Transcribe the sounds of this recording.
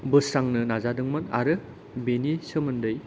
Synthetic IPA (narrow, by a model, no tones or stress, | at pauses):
bɯsɾaŋnɯnazadɯŋmɯna̰ɾɯ | benisɯmɯndɯj